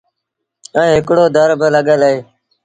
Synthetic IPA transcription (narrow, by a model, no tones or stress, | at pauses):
ɛ̃ːɦɪkɽoːd̪ʱəɾbɪləɠeːlɦeː